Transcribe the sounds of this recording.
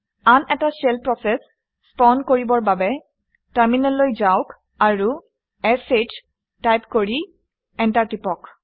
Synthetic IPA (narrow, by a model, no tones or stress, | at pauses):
anɛtasɛlpɹɔsɛsː | pɔndkoɹibɔɹbabɛ | taɹminɔlːojzawk | aɹu | ɛset | tajpkoɹi | ɛntaɹtipɔk